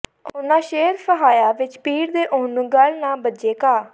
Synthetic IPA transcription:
ʊnãːʃeːɾsʰəɦaːjaːʋɪt͡ʃpiːɾd̪eːʔʊːnũːɡəlnãːbəd͡ʒeːkaː

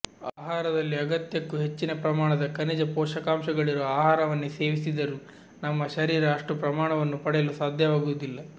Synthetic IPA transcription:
aːɦaːɾɐd̪ɐlːiɐɡɐt̪jɐkːuɦe̞t͡ʃːinɐpɾɐmaːɳɐd̪ɐkɐnid͡ʒɐpɔːʃɐkaːmʃɐɡɐɭiɾoaːɦaːɾɐʋɐnːuse̞ːʋisid̪ɐɾu | nɐmːɐʃɐɾiːɾaːʂʈupɾɐmaːɳɐʋɐnːupɐɽɛjɐlusaːd̪ʱjɐʋaːɡuʋud̪ilːɐ

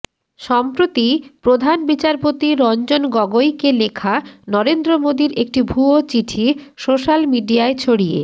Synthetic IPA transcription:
ʃɔmpɾot̪ipɾod̪ʱanbit͡ɕaɾpot̪iɾɔnd͡ʑonɡɔɡojkelekʰanɔɾend̪ɾomod̪iɾek̚ʈibʱuot͡ɕiʈʰi | soʃalmiɖiaet͡ɕʰoɽiḛ

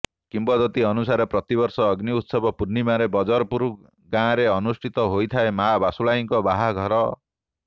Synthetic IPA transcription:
kimbɔd̪ɔt̪iɔnusaɾepɾɔt̪ibɔɾsɔːɡniut̪sɔbɔpuɾnimaɾebɔd͡ʒɔɾɔpuɾu | ɡãɾeɔnusʈʰit̪ɔɦojt̪ʰaemabasulaiŋkɔbaɦaɡʱɔɾɔ

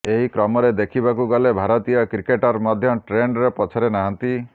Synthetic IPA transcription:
eɦikɾɔmɔɾed̪ekʰibakuɡɔlebʱaɾɔt̪ijɔkɾikeʈɔɾmɔd̪ʱjɔʈɾeɳɖɾepɔt͡ʃʰɔɾenaɦant̪i

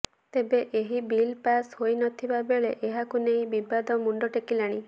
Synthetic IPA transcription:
t̪ebeʔeɦibilpashojnɔt̪ʰibabeɭeʔeɦakunej̃bibad̪ɔmuɳɖɔʈekilaɽ̃i

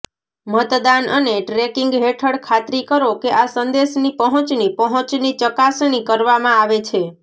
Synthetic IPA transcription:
mət̪d̪anəneʈɾekiŋɡɦeʈʰəɽkʰat̪ɾikəɾokeʔasənd̪eʃnipəɦə̃t͡ʃnipəɦə̃t͡ʃnit͡ʃəkasɳ̃ikəɾʋamãaʋet͡ʃʰe

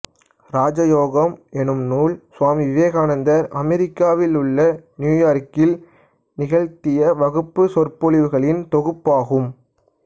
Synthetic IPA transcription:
ɾaːd͡ʒɐjoːɣɐmɛnɯmnuːlsʊaːmiʋɪʋeːɣaːnɐnd̪ɐɾʔɐmɛɾɪkːaːʋɪlɯɭːɐnjuːjaːɾkɪl | nɪɣɐɻt̪ɪjɐʋɐɣɯpːɯsɔrpɔɭɪʋɯɣɐɭɪnt̪ɔɣɯpːaːɣɯm

